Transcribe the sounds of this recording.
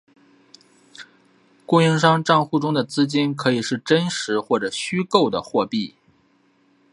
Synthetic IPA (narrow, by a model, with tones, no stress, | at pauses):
ku˥˧jɛ˥˧nʂ̬ɑ˥ŋʈ͡ʂɑ˥˧ŋxu˥˩ʈ͡ʂʊ˥ŋd̪ə˨t͡sɹ̩˥t͡ɕi˥nkʰɤ˧˥i˨˩ʂɻ̩˥˩ʈ͡ʂə˥nʂɻ̩˧˥xwɔ˥˩ʈ͡ʂɤ˨˩ɕy˥ko˥˩ʊd̪ə̰˩xwɔ˥˧pi˥˩